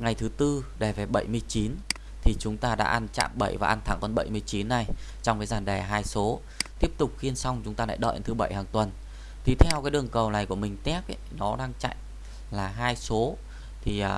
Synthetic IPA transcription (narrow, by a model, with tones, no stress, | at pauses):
ŋa˨˩jt̪ʰɨ˨˦t̪ɨ˧ɗɛ˨˩ve˨˩ɓə̰˧˩jmɨ˧əjt͡ɕi˨˦n | t̪ʰi˨˩t͡ɕʊ˨˦ŋ͡mt̪aː˧ɗa̰ː˧˥ʔa˧nt͡ɕa̰ː˧˨mɓə˧˩jvaː˨˩ʔa˧nt̪ʰa˨˧˩ŋkɔ˧nɓə̰˧˩jmɨ˧əjt͡ɕi˨˦nːa˨˩j | t͡ɕɔ˧wŋ͡mkaː˨˦jzaː˨˩nɗɛ˨˩ɦaː˧jso˨˦ | t̪i˦˥əp̚t̪ʊ˨˩k͡p̚xi˧ənsa˧wŋ͡mt͡ɕʊ˨˦ŋ͡mt̪aː˧la̰ː˧jɗə̰ː˧˨ʔnt̪ʰɨ˨˦ɓə˧˩jhaː˨˩ŋt̪wə˨˩n | t̪ʰi˨˩˦t̪ʰɛ˧wkaː˨˦jɗɨ˨˩əŋkə˨˩wna˨˩jku˧˩əmï˨˩ŋ̟t̪ɛ˦˥p̚ʔə˧˦jnɔ˨˦ɗaː˧ŋt͡ɕa̰˧˨jŋ | laː˨˩ɦaː˧jso˨˦ | t̪ʰi˨˩ʔː